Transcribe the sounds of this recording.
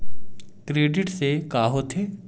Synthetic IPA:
kɾeːɖɪʈsekaːɦot̪ʰeː

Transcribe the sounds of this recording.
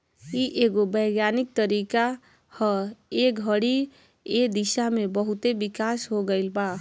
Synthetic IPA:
iʔeɡobəɡjanik̚t̪əɾika | həekəɽi | ed̪isamebəɦut̪ebikasɦoɡəɪlba

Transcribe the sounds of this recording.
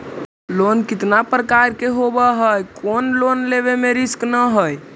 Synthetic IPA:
lonkit̪napɾəkaɾkeɦobəɦəjkonlonleβemeɾisknəɦəj

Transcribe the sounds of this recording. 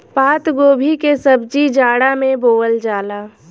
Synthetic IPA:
paːt̪ɡoːbʱikesəbd͡ʒid͡ʒaːɽamẽboːəld͡ʒaːlaː

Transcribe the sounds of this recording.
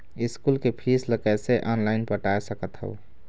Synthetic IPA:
iskulkepʰisləkəseʔɔnlaɪnpəʈajsəkət̪ɦə̰u

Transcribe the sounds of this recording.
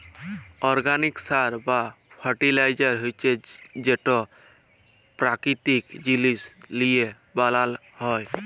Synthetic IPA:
ɔɾɡaniksaɾba | pʰəɾʈilajd͡ʒəɾɦojt͡ʃʰed͡ʒeʈɔ | pɾakɾit̪ikd͡ʒilislije | balal | hɔj

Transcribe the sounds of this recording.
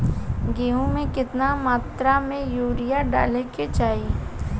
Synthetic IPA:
ɡeːũmẽkɪt̪namaːt̪ɾamẽjuːɽɪjaɖa̰ːleket͡ʃaːi

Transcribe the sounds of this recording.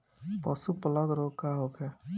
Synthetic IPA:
pɔsupələɡɾokːaɦokʰe

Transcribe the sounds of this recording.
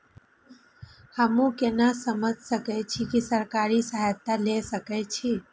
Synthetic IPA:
həmũkenasəməd͡ʒʱsəkɛt͡ʃʰikisəɾkaɾisəɦajt̪ːalesəkɛt͡ʃʰi

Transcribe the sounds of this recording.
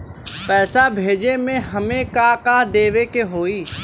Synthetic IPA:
pɛːsabʱeːd͡ʒemẽɦəmẽkakaːd̪eːʋekeɦoːiː

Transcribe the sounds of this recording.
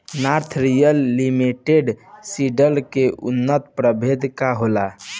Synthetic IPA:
naɾt̪ʰɾijəlːimiʈeɖsiɖəlkeʔʊ̰nːət̪pɾəbʱed̪kaɦola

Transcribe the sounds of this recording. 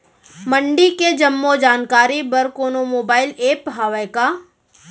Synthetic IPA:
mə̃ɳɖiked͡ʒɐmːod͡ʒaːnkaːɾibɐɾkoːnomoːbaːɪleːpɦaːʋəkaː

